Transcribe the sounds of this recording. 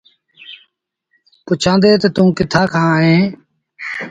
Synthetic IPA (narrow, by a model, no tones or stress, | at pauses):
pʊt͡ʃʰãːnd̪eːt̪ət̪ũːkɪt̪ʰaːkʰãːɦẽː